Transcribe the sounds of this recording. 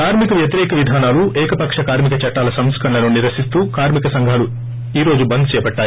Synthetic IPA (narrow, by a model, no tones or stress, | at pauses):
kaːɾmikɐʋjɐt̪iɾɛːkɐʋid̪ʱaːnaːluʔɛːkɐpɐkʂɐkaːɾmikɐt͡ʃɐʈːaːlɐsɐmskʰɐɳlɐnuːniɾʋɐʃist̪uːkaːɾmikɐsɐŋɡʱaːlu | iːɾo̞ːd͡ʒubɐnd̪t͡ʃɛːjɐpɐʈːaː